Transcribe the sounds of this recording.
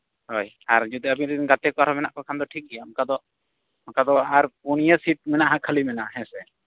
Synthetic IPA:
hoj | aɾd͡ʒud̪iabiɾiɡat̪ɛkɔaɾɔmɛnaʔkɔkʰand̪ɔʈʰik̚ɡɛjamukad̪ɔʔ | mukad̪ɔaɾpuñijəsiʈ̚mɛnaʔɦãkʰəlimɛnaʔhɛ̃sɛ

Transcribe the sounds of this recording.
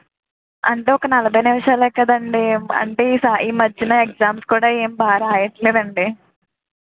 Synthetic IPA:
ɐ̰ɳʈeːɔkɐnɐlɐbʱɐjnimɐʂaːlɛːkɐd̪ɐɳɖiɐ̰ɳʈeːiːsaːiːmɐd͡ʒːinɐek̚zaːmskuːɽaːe̞ːmbaːɾaːjɐʈleːd̪ɐɳɖi

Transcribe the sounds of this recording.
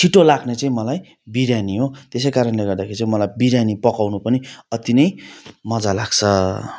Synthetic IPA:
t͡sʰiʈolaɡnet͡saĩmʌlaj | biɾjaniɦot̪es̬ʌjkaɾʌnleɡʌrd̪akʰeɾit͡saĩmʌlajbiɾjanipʌkawnupʌniʌt̪inʌjmʌd͡zalaɡ̥t͡sʰʌ

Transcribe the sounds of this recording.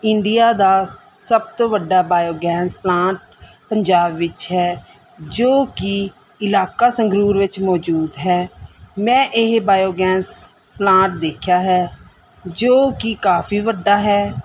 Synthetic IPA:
ɪɳɖɪjaːd̪aː | səb̚t̪õːʋəɖːaːbaːjoːɡɛ̃ːnsplãːʈ̚ | pəɲd͡ʒaːbʋɪt͡ʃɦɛː | d͡ʒoːkɪ | ɪlaːkaːsəŋɡɾuːɾʋɪt͡ʃmɔːd͡ʒuːd̪ɦɛːmɛ̃ːʔɪɦbaːjoːɡɛːns | plãːʈ̚d̪eːkʰjaːɦɛː | d͡ʒoːkikaːpʰiːʋəɖːaːɦɛː

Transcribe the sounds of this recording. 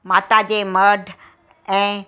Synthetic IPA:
maːt̪ad͡ʑeːmɐɖʱ | ɛ̃ː

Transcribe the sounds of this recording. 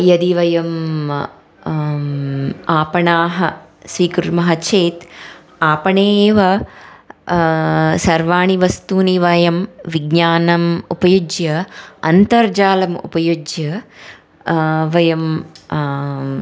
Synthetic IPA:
jɐd̪iʋɐjɐm | aːpɐɳaːɦɐ | sʋiːkɾuɾmɐɦɐt͡ʃʰeːt̪ | aːpɐɳeːʋɐ | sɐɾʋaːɳiʋɐst̪uːniʋɐjɐmʋiɡɲaːnɐmupɐjud͡ʒjɐɐnt̪ɐɾd͡ʒaːlɐmṵpɐjud͡ʒjɐ | ʋɐjɐm

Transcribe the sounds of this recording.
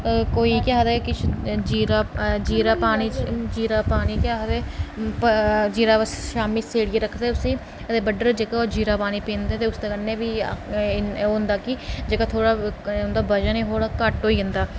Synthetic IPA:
koːiːkjaːd̪eːkɪt͡ʃʰd͡ʒiːɾaːd͡ʒiːɾaːpaːniːt͡ʃd͡ʒiːɾaːpaːniːkaːɦd̪ɛː | d͡ʒiːɾaːəsʃaːmiːseːɽiːeːɾəkʰd̪eːʊsĩː | ət̪eːbəɖəɾd͡ʒekaod͡ʒiːɾaːpaːniːpĩːnd̪eɛːt̪eːʊst̪eːkənːeːbiː | ʊ̃nd̪aːkɪd͡ʒeːkat̪ʰoːɽaːʊnd̪aːbəd͡ʒaneːɦoːɽaːkəʈɦoːiːɦənd̪aː

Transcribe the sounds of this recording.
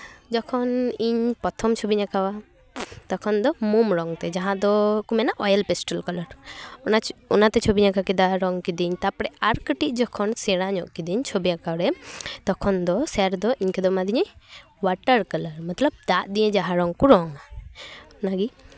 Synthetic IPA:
d͡ʒɔkʰɔniɲpɔt̪ʰɔmt͡ʃʰobiɲakawa | t̪ɔkʰɔnd̪ɔmumɾɔŋt̪ɛd͡ʒaɦãd̪ɔkumɛnaʔɔjəlpɛsʈɔlkɔlɔɾɔnaɔnat̪ɛt͡ʃʰobiɲakakid̪aɾɔŋkid̪iɲt̪apɽɛʔaɾkəʈiʔ̚d͡ʒɔkʰɔnsɛɽaɲɔʔkid̪iɲt͡ʃʰobiɲakaɽɛt̪ɔkʰɔnd̪ɔsɛɾd̪ɔʔiɲkɛd̪ɔmad̪iɲɛ̃ | waʈəɾkələɾmat̪lɔb̚d̪aʔd̪iɲɛ̃d͡ʒaɦãɾɔŋkuɾɔŋa | naɡi

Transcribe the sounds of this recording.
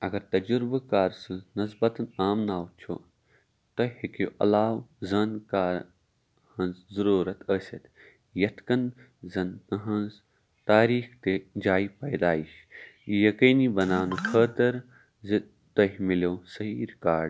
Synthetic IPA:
ɐɡɐɾt̪ɐd͡ʒuɾbkaːɾsɨ̃nɐzbɐt̪ɐnaːmnaːwt͡ʃʰo̰ | t̪ɐhikjoʔɐ̰laːwzɐnkaːɾ | hɐ̃nzzɐɾuːɾɐt̪ʰəːsʲɐt̪ | jɐt̪ʰkɐn | zɐnɐɦɐ̃nz | t̪aːɾiːxt̪ed͡ʒaːipɐjd̪aːiʃ | jɐkiːnibɐnaːnukʰəːt̪ɐɾ | z | t̪ɐɦmiloːsɐɦiːɾkaːɖ

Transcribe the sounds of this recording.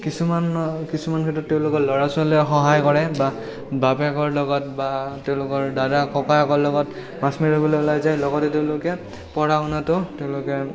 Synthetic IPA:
kisumankisumankʰɛtɔtːeʊ̃lʊkɔlɔɹasʊaloxɔɦajkɔɹɛba | bapɛkɔɹlɔɡɔtbateʊ̃lʊkɔɹdadakɔkajɔkɔɹlɔɡɔt | masmiɹɔbɔlojʊlajzajlɔɡɔtɛteʊ̃lʊkɛ | pɔɹaʊnatʊteʊ̃lʊkɛ

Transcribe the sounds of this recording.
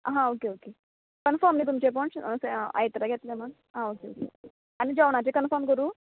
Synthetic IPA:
ɦãokeoke | kənfəmnit̪umt͡ɕep̬ɔɳssea̰jt̪ɾaɡʱɛt̪lemən | ɦãokeo̰kḛoke | anid͡ʑaʋɳat͡ɕekənfəɾmkəɾuː

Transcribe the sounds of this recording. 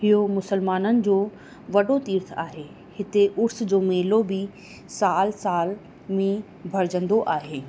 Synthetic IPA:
ɪɦomʊsəlmaːnənɪ̆d͡ʑoː | ʋɐɗot̪iːɾt̪ʰaːɦeː | hɪt̪eʔʊɾsd͡ʑoːmeːlobɪ | saːlsaːl | mẽ | bʱɐɾɪd͡ʑə̃nd̪oʔaːɦeː

